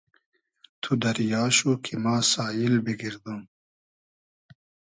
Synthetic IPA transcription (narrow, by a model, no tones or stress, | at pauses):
t̪ʰud̪ɐɾjaːɕukʰimaːsaːjilbiɡiɾd̪um